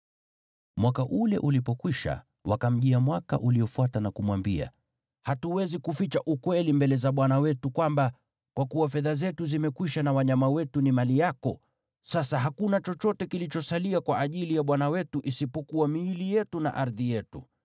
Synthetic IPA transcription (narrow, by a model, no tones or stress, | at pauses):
mwakaʔulɛ̰ʔulipɔkwiʃa̰ | wʔakam̩ʄiamwaka̰ʔuliɔfuatanakumwambia̰ | hatuwɛzikufit͡ʃaʔukwɛlimbɛlɛzaɓwanawɛtukwamba | kwakuwafɛðazɛtuzimɛkwiʃanawaɲamawɛtunimalijakɔ | sasaɦakunat͡ʃɔt͡ʃɔtɛkilit͡ʃɔsaliakwaʔːʄilijaɓwanawɛtuʔisipɔkuwamiːlijɛtuna̰ʔaɾðijɛtṵ